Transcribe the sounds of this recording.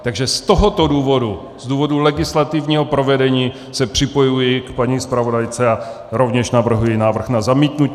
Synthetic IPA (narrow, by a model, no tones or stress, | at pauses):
t̪aɡʒɛst̪oɦot̪oduːvo̞du | z̥duːvo̞dulɛɡɪslat̪ɪvɲiːɦopɾo̞vɛdɛɲiː | sɛpr̝̥ɪpo̞jujɪkpaɲiːspɾavo̞dajt͡sɛa | ɾo̞vɲɛʃnavr̩ɦujɪnaːvr̩xnazamiːt̪nu